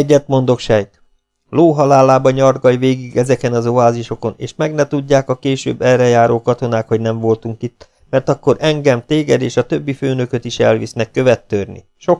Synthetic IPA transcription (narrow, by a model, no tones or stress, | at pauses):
ɛɟːɛt̪mo̞nd̪o̞kʃɛjt̪ | loːɦɒlaːlːaːbɒɲɒrɡɒjʋeːɡiɡɛzɛkɛnɒzoaːziʃo̞ko̞nḛːʃmɛɡnɛt̪uɟːaːkɒkeːʃø̰ːbːɛrɛjaːɾoːkɒt̪o̞naːkho̞ɟnɛɱvo̞lt̪uŋkit̪ː | mɛrt̪ɒkːo̞ɾɛŋɡɛmt̪eːɡɛd̪eːʃɒt̪ø̞bːiføːnø̞køt̪iʃɛ̰lvḭsnɛkːø̞vɛt̪ːørnḭ | ʃo̞